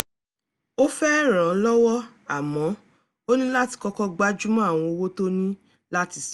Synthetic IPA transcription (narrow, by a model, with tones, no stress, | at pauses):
o˦fɛ˦ɾ̃ã˨˦lɔ˦wɔ˦ | a˨mɔ̃˨˦ | o˦nĩ˦la˦ti̥˧kɔ˧kɔ˧ɡ͡ba˦d͡ʒu˦mã˦a˦˨w̃ɔ̃˧o˧wo˦to˦nĩ˦ | la˦ti˧s